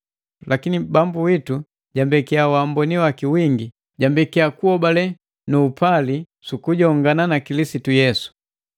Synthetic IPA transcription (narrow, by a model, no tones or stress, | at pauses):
lʔakinibambuwitu | ɟambɛkiawambɔniwakiwiŋɡi | ɟambɛkiakuɔbalɛ | nuːpali | sukuɟɔŋɡananakilisitujɛsu̥